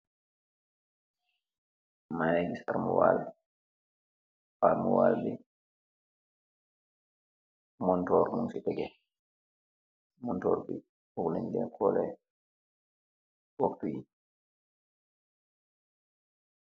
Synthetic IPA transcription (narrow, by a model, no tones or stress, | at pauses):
majɛɡisaɾmṵwa̰lɛ | aɾmṵwa̰lbi | mɔntɔɾmunsitɛɡɛ | mɔntɔɾbḭ | uɡlanɡɛ̰kʰɔlɛ̰ | waktuji